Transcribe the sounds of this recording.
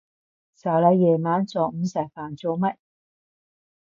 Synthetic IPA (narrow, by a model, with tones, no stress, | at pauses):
sɐ˨˩lɐ˧jɛː˨˩maː˨˥nt͡sɔː˨k̚m̩˧˦sɐ˨˩jfaː˨˩nt͡so˧wmɐ˥t̚